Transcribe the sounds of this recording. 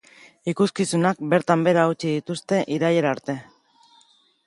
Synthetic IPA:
ikuskisunak̚be̞ɾt̪ambe̞ɾaut͡ʃið̞it̪ust̪e̞ʔiɾajeɾaɾt̪e̞

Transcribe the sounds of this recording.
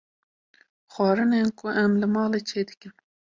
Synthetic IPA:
xwɑːɾɨnenkʊʔɛmlɨmɑːleːt͡ʃʰeːd̪ɨkɨm

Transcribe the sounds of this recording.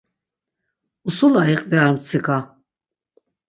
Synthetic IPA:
usulaiqʼvɛaɾmt͡sʰikʰʼa

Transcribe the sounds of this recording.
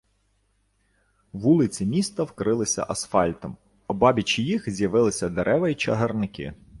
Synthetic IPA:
ʋulˠɪt͡sʲimʲist̪ɐwkɾɪlˠɪsʲɐ̰ʔɐsfɑlʲt̪ɔm | ɔbɑbʲit͡ʃijixzʲjɐʋɪlˠɪsʲɐd̪eɾʔɛʋɐjit͡ʃɐɦɐrnɪkɪ̰

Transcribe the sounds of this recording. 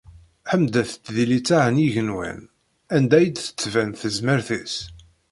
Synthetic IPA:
ħəmd̪æθə̥t͡s̪ːðilit͡sːaʕəniʝənwæ̰n | ænd̪æjəd̪θə̥t͡sːvænθəzməɾθis

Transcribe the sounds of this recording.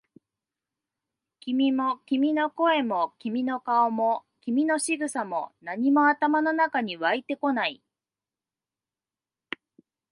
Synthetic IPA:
kʲimʲimo̞kʲimʲino̞ko̞e̞mo̞kʲimʲino̞kaomokʲimʲino̞ɕiɡɯ̟samo̞naɲ̟imo̞at̪amano̞nakaɲ̟iβait̪e̞ko̞nai

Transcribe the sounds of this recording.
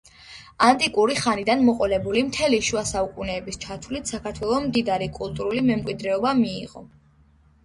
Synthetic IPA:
ant̪ʼikʼuɾiχanid̪anmɔqʼɔlɛbulimt̪ʰɛliʃuasaukʼunɛːbist͡ʃʰat̪ʰwlit̪ʰsakʰaɾt̪ʰwɛlˠɔmd̪id̪aɾikʼulˠt̪ʼuɾulimɛmkʼwid̪ɾɛɔbamiːʁɔ

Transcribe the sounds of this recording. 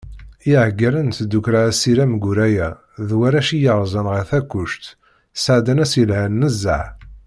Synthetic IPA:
iʕəɡːæɾənt̪d̪ukɾaæsiɾæmɡʊɾæjæ | ðwæɾæʃijəʁzˤənʁəθækːʊʃt̪ | sʕd̪ænæsjəlhænːəzːəʕ

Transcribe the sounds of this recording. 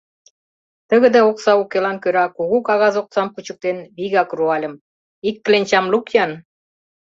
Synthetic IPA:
t̪ə̆ɣə̆d̪ɑoksɑukelɑnkøɾɑkuɣukɑɣɑzok̚sɑmput͡ɕə̥̆k̚t̪enβiɣɑkruɑlʲə̆m | ikːlenʲt͡ɕɑmlukjɑn

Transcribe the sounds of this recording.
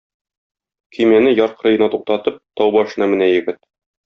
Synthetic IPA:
kʰɵ̆mænɘjɒɾqɤ̆ɾɤ̆jɤ̆nɑt̪uq̚t̪ɑt̪ɤp̚t̪ɒwbɒʃɤ̆nɑmɘ̆næjɘ̆ɡɘt̪̚

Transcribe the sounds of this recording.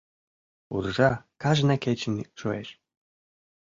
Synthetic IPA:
ṵɾʒɑkɑʒnɑket͡ɕ̆nʲʃueʃ

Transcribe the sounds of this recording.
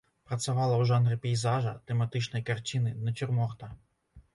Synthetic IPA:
pɾɐt͡sʲʊʋɑlˠɐwʒɑnɾɪpʲijzɑʒɐt̪emɐt̪ɪt͡ʃnɔjkɐrt͡ʃɪnɪnɐt͡ʃɪrmɔrt̪ɐ

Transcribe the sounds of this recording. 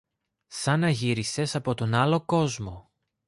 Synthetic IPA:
sɐnɐʝiɾise̞sɐpo̞t̪o̞nɐlo̞ko̞zmo̞

